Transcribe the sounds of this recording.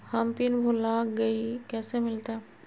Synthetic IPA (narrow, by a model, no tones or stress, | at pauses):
həmpinbʱulaɡəikɛːsemɪlt̪a